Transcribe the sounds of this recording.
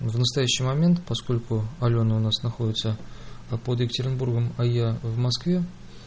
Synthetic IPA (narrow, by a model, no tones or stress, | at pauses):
vnəst̪ɐjæɕːɪjmɐmʲe̞nt̪pɐsko̞lʲkʊɐlʲo̞nəʊnasnɐxo̞dʲɪt̪səpod̪jʲɪkətʲɪɾʲɪnburɡəmɐjavmɐskvʲe̞